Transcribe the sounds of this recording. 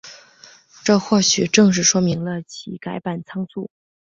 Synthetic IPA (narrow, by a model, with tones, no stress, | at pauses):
ʈ͡ʂɤ˥˧xwɔ˥˩ɕy˨˩ʈ͡ʂɤ˥˧ŋʂ̬ɻ̩˥˩ʂwɔ˥mi˧˥ŋlə˧t͡ɕʰi˧˥ka˧˥ɪpa˨˩nt͡sʰɑ˥ŋsu˥˩